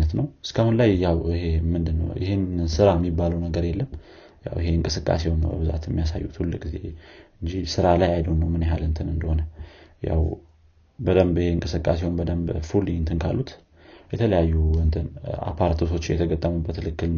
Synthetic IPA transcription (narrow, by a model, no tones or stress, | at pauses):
nət̪nəwɨskʰahunlajːawihe̞mɨnd̪ɨnːə̰wjɪ̰ɦhenɨnsɨɾaɛmːibːaləwnəɡəɾjɛlːəm | ja̰wiɦe̞ɨŋkʼɨsɨkʼːa̰se̞wməbɨza̰t̪jɛmːijasa̰jːut̪ʰulːɨkʼɡizḛɨnd͡ʒisɨɾalajajd̪əwnːəwmɨneɦalɨnt̪ʰɨnɨnd̪əho̞nəja̰w | bəd̪əmbiheɨŋkʼɨsɨkʼase̞wmbəd̪əmbfuliɨnt̪ʰɨnkʰa̰lːut̪ | jɛt̪ʰələjajːuɨnt̪ʰɨna̰pʰaɾt̪ʰɨsʰo̞t͡ʃːjɛ̰t̪ʰəɡət̪ʼːəmubət̪ʰːɨlɨkːɨl